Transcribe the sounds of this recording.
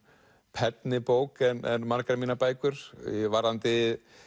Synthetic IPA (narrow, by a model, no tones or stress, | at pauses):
pʰɛt̪nɪpoːwkɛnɛnmaɾkaɾamiːnapaːjkʏɾ̥̰vaɾant̪ɪ